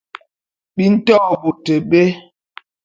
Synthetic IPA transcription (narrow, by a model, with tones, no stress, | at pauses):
ɓi˦n̩˦tɔ˦˨bu˨te˨ɓe˦